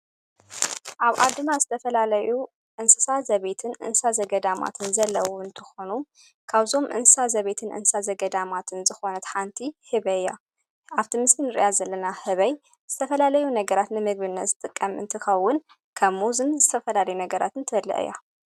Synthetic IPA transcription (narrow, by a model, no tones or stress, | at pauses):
ʔaβʔa̰d̪ːɨnazɨt̪ʰɐfɐlalɐju | ʔɨnsɨsazɐβet̪ʰɨnʔɨ̰nsazɐɡɐd̪ama̰t̪ʰɨnzɐlːɐwɔɨnt̪ʰɨxo̞nu | kʰaβzo̞mʔɨ̰nsɨsazɐβe̞t̪ʰɨnʔɨ̰nsɨ̥sazɐɡɐd̪amat̪ʰɨnzɨxo̞nɐt̪ħant̪ʰihɨβɐjːa̰ | aβt̪ʰimɨsinɨɾɨ̰jazɐlːɐnahɨβɐj | z̥ɨt̪ʰɐfɐlalɐjunɐɡɐɾat̪nɨmɨɡbɨnːɐt̪z̥ɨt̪ʼɨkʼːɐmʔɨ̰nt̪ʰɨxɐwːʊn | kʰɐmuzɨnzɨt̪ʰɐfɐlalɐjunɐɡɐɾa̰t̪ɨnt̪ʰɨbɐlːɐ̰ʔɨ̰jːa̰